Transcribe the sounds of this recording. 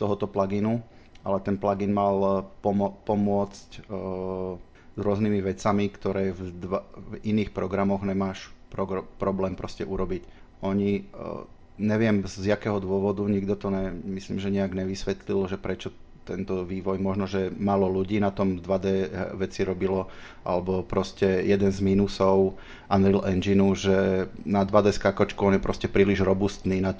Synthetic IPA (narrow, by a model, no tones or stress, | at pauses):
t̪ɔɦɔt̪ɔplaɡinu | ʔalɛt̪ɛnplaɡinmalpɔmpɔmʊɔt͡sc | zɾʊɔzniːmiʋɛt͡samikt̪ɔɾɛːvd̪ʋaviniːxpɾɔɡɾamɔɣɲɛmaːʃpɾɔɡpɾɔblɛːmpɾɔscɛʔuɾɔbic | ʔɔɲi | ɲɛʋɪɛmzjakɛːɦɔd̪ʊɔʋɔd̪uɲiɡd̪ɔt̪ɔɲɛmisliːmʒɛɲɛaɡɲɛʋisʋɛt̪lilʒɛpɾɛt͡ʃɔt̪ɛnt̪ɔʋiːʋɔjmɔʒnɔʒɛmalɔluɟiːnat̪ɔmd̪ʋad̪ɛːʋɛt͡siɾɔbilɔ | ʔa̰lɛbɔpɾɔscɛjɛd̪ɛnzmiːnusɔʊ | ʔanɾilʔɛnd͡ʒinuʒɛnad̪ʋad̪ɛːskakɔt͡ʃkuɔnjɛpɾɔscɛpɾiːliʒɾɔbust̪niːnat̪